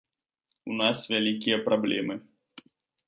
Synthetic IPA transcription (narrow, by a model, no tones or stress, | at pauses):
unasvʲalʲikʲijɐpɾablʲɛmɨ